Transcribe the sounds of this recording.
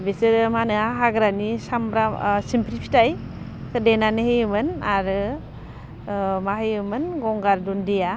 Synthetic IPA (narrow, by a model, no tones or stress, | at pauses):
besɯɾɯmanɯaɦaɡɾanisambɾasimpɾipʰi̥taj | kʰɯdenanɯhejɯmɯnaɾɯ | mahɯjɯmɯnɡɔŋɡaɾdundija